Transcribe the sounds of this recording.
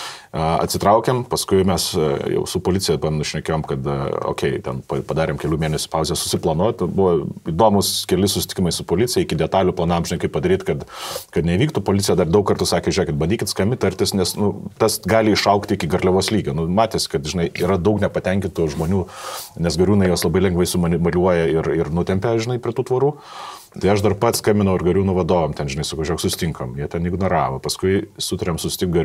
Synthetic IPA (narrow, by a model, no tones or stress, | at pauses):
ɐɐ̰t̪ʲsʲɪt̪ɾɐʊkʲɛmpɐskʊɪmʲɛsjɛ̰ʊsʊpoːlʲɪt͡s̪ʲɪjɛpɐmʲnʊʃʲnʲɛkʲeːjoːmkɐt̪o̰ːkʲɛɪt̪ʲɛnpɐpɐd̪ɑːɾʲeːmkʲɛlʲuːmʲeːnʲɛsʲʊ̥pɑʊzʲejɛsʊsʲɪplˠɐnoːt̪bʊʋɐiːd̪oːmʊskʲɛlʲɪsʊsʲɪt̪ʲɪ̥kʲɪmɐɪsʊpoːlʲɪt͡sʲɪjɛɪkʲɪd̪ʲɛt̪ɑːlʲʊplˠɐnɑmʒʲɪnɐɪkɐɪpːɐd̪ɐɾʲiːt̪kɐt̪kɐt̪nʲɛʋiːk̚t̪uːpoːlʲɪtt͡sʲsʲɪjɛd̪ɐrd̪ɐʊkɐɾrt̪ʊsɑːkʲeʒʲæːkʲɪt̪̚bɐnʲd̪ʲiːkʲɪt̪skɐmʲɪt̪ɐɾʲt̪ʲɪsnʲɛsnʊt̪ɐsɡɑːlʲɪɪʃɐʊkt̪ʲɪkʲɪɡɐɾʲlʲɛʋoːslʲiːɡʲɛnʊmɑːt̪ʲeːsʲɪ̥kɐt̪ʒʲɪnɐɪiːɾɐd̪ɐʊknʲɛpɐt̪ʲɛŋʲkʲɪnt̪uʒmoːnʲuːnʲɛsɡɐɾʲuːnɐɪjoːslˠɐbɐɪlʲɛŋɡʋɐɪsʊmɐnʲmɐlʲuɔjɛɪrɪrnʊt̪ʲɛmʲpʲɛʒʲɪnɐɪpʲɾʲiɛt̪uːt̪ʋɐɾuː | t̪ɐɪɐʃd̪ɐrpɐt̪skɐmʲɪnɐʊɪrɡɐɾʲuːnʊʋɐd̪oːʋomt̪ʲɛnʒʲɪnɐɪsɐkɐʊʒʲɛːksʊsʲɪ̥t̪ʲɪŋkɐmjiɛt̪ʲɛnɪɡnoːɾɑːʋɐpɐskʊɪsʊt̪ɐɾʲemsʊsʲɪt̪ʲɪŋkɡɐɾ